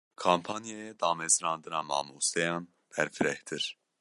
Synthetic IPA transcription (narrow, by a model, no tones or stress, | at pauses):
kʰaːmpʰɑːnjejɛd̪ɑːmɛzɾɑːnd̪ɨnɑːmɑ̰ːmuːst̪ɛjɑːn | b̥ɛɾfɨɾɛht̪ʰɨɾ